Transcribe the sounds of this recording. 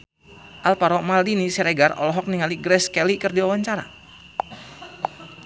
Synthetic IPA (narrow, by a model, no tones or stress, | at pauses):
ʔalpaɾɔmaldinisɛɾɛɡarɔ̰lɔɦɔk̚niŋaliɡɾɛskɛlikɨrdiwawaɲt͡ʃaɾa̰